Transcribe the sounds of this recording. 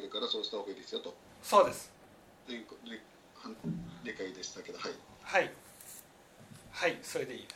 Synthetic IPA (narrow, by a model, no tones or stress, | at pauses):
ɾɯ̟kaɾaso̞ːʑi̥t̪aakɯiːd̪e̞sɨjo̞t̪o | so̞ːd̪e̞sɨ̥ | dẽŋkode | hãɾʲikaid̪e̞ɕi̥t̪ake̞d̪ohaihai | haiso̞ɾe̞d̪e̞iː